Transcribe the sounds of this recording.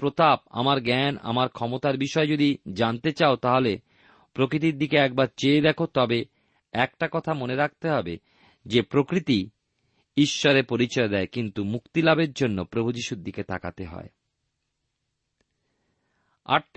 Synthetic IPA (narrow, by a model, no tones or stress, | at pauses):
pɾot̪ap̚a̰maɾɡɛna̰maɾkʰɔmot̪aɾbiʃɔed͡ʑod̪id͡ʑant̪et͡ɕaot̪aɦole | pɾokɾit̪̬iɾd̪ikeɛk̚baɾt͡ɕeed̪ɛkʰot̪ɔbe | ɛk̚ʈakɔt̪ʰamoneɾak̚t̪eɦɔbe | d͡ʑepɾokɾit̪i | iʃːɔɾepoɾit͡ɕɔed̪ɛekint̪umukt̪ilabeɾd͡ʑonːopɾobʱud͡ʑiʃuɾd̪iket̪ʰa̰ka̰t̪eɦɔ̰e | a̰ʈ